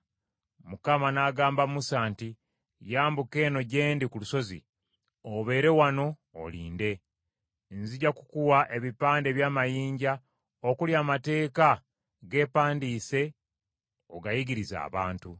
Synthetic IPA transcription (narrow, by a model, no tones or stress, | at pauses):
mukamanaɡaːmbamusaːnti | jaːmbuke̞ːno̞ɟe̞ːndikuluso̞zḭ | oβe̞ːɾe̞wano̞̰ː | liːnde̞ | nziɟakukuwaʔe̞βipaːnde̞βjaːmajiːɲɟa | okuljaːmate̞ːka | ɡe̞ːpaːndiːse̞ | oɡajiɡiɾiza̰ːβa̰ːntu